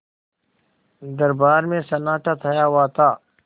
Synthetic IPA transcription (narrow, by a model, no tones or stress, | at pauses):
d̪ɐɾbaːɾmẽsɐnaːʈʰaːt̪ʰajaːwaːt̪aː